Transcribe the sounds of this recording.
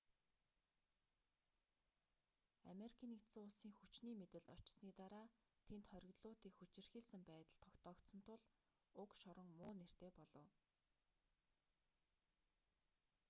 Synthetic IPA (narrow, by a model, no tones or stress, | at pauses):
a̰meɾikʰiːnik̪ʰt͡sɘŋʊɮsiːŋxut͡ɕniːmet̪ɘ̆ɮt̪ɔt͡ɕɪ̥̆sniːt̪aɾaː | t̪ʰent̪χœɾʲɪ̆ɣt̪ɮʊːt̪iːkxut͡ɕɪ̆rxiːsɘ̆mpæːt̪ə̆ɮt̪ʰɔkt̪ʰɔːkt̪sɞ̆nt̪ʰʊɮ | ʊkʃɔɾə̆ŋmʊːner̥t̪eːpɔɮɞ̆w